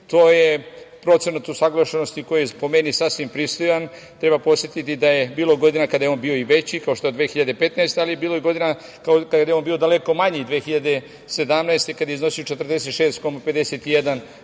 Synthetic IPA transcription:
t̪o̞ːje̞ | pɾo̞t̪senat̪usaɡlˠaʃenost̪ikojijepo̞menisasʋimpɾist̪ojan | t̪ɾe̞βbapo̞sjʲet̪it̪id̪aje̞biːlˠo̞ɡo̞d̪inakad̪ajeo̞ːnbiːoiʋe̞t͡ɕikao̞ʃt̪oed̪ʋe̞xiʎad̪e̞pe̞t̪naest̪ealijebiːlo̞jeɡo̞d̪ina | kakadd̪ajeonbiːo̞d̪ale̞ko̞maɲid̪ʋeːxiʎad̪e̞ | se̞d̪amnaest̪e̞kad̪aeiznosijot͡ʃet̪r̩d̪e̞s̬e̞t̪ʃe̞ːst̪komape̞d̪eset̪ijed̪an

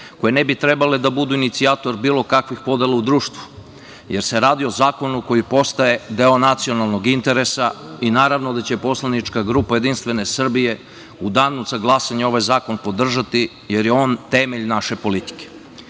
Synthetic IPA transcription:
ko̞jenebit̪ɾe̞bale̞d̪abud̪uinit̪siaːt̪o̞ɾbiːlo̞kakʋixpo̞d̪e̞lˠaud̪ɾuːʃt̪ʋu̥ | je̞ɾse̞ɾaːd̪io̞zaːko̞nuko̞jipo̞st̪aje̞d̪eo̞nat̪sio̞nalˠno̞ɡint̪e̞ɾe̞sainaːɾaʋnod̪at͡ɕe̞po̞slanit͡ʃkaɡɾupaje̞d̪inst̪ʋe̞ne̞sr̩bije̞ | ud̪aːnuzaɡlˠasaɲeo̞ʋajzaːko̞npo̞d̪r̩ʒat̪i | jeɾjeo̞ːnt̪e̞meʎnaʃe̞po̞lit̪i̥ke̥

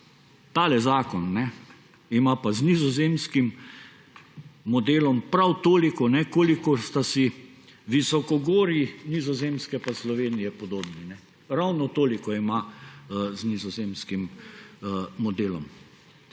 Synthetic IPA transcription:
t̪aːlɛzaːkɔnːɛ | imapaznizɔzeːmskim | ɔd̪eːlɔmpɾawt̪oːlikɔnɛkoːlikɔst̪asi | ʋisɔkɔɡoːɾinizɔzeːmskɛpaslɔʋeːnijɛpɔd̪oːbninɛ | ɾawnɔt̪oːlikɔima | znizɔzeːmskim | ɔd̪eːlɔm

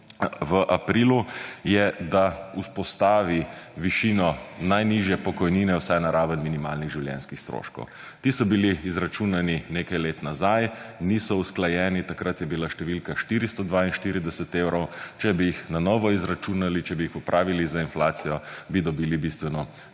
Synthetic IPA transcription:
ʋəʔapɾiːlujɛd̪auspɔst̪aːʋiʋiʃinɔnajniʒjɛpɔkɔjniːnɛwsɛjnaɾaːʋənminimaːlniɣʒiwljɛ̰nskixst̪ɾo̰ʃkɔ̰w | t̪iːsɔbiliːzɾat͡ʃunanineːkajleːt̪nazajnisɔusklajɛːnit̪akɾat̪jɛbilaʃt̪ɛʋilkaʃt̪iːɾist̪ɔd̪ʋainʃt̪iɾid̪ɛsɛt̪eːwɾɔwt͡ʃɛbijixnanɔːʋɔizɾat͡ʃunalit͡ʃɛbiixupɾʔaːʋilizainflaːt̪sijɔbid̪ɔbiːlibist̪ʋɛnɔ

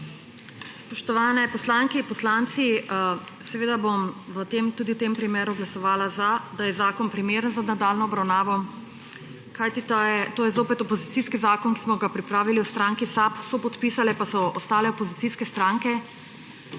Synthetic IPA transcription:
spɔʃt̪ɔʋaːnɛpɔslaːŋkiipɔslant̪si | sɛʋeːd̪abomʋət̪eːmt̪uːd̪iwt̪empɾimeːɾuɡlasɔʋaːlazad̪ajɛzaːkɔnpɾimeːɾənzanad̪alnɔːbɾawnaːʋɔ | kajt̪it̪aɛt̪oːjɛzoːpɛt̪ɔpɔzit̪siːskizaːkɔnki̥smɔɡapɾipɾaːʋiliwst̪ɾaːŋkisapsɔpɔt̪piːsalɛpasɔʔɔst̪aːlɛopozit̪siskɛst̪ɾaːŋkɛ

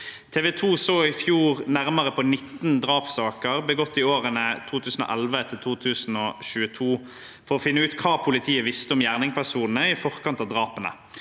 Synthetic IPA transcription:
t̪ʰeːʋɛt̪ʰuːsoːɪfjuːʁnæʁməʁəpɔnɪt̪ːnd̪ʁɑːpsɑːkəʁbəɡɔt̪ːɪoːʁənət̪ʰuːt̪ʰʉːsn̩ɔ̰ːʔɛlʋət̪ʰɪlt̪ʰuːt̪ʰʉːsn̩ɔːɕʉːət̪ʰuː | fɔʁɔfɪnːəʉːt̪kʰɑːpʰʊlɪt̪ʰiːəʋɪst̪əɔmjæːʁnɪŋpʰæʁsuːd̪nn̩əɪfɔʁkʰɑnt̪ɑːʋd̪ʁɑːpənə̰

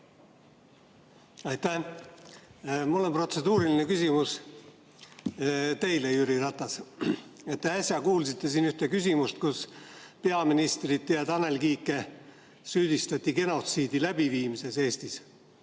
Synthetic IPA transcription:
ɑjt̪æ | mulːo̞npro̞t̪se̞d̪̥uːɾiline̞kysʲimus | t̪e̞jlejyɾirɑt̪ːˑɑs | e̞t̪ːe̞ɑsʲjɑkuːlsit̪ːe̞siːnyht̪ekys̬ʲimust̪kuspe̞ɑminist̪rid̪̚t̪ːeɑd̪ɑne̞lkiːkːˑe̞ | syːd̪̥ist̪ɑt̪ʲˑːiɡe̞no̞t̪siːd̪̥ilæb̥iviːmise̞se̞ːst̪is

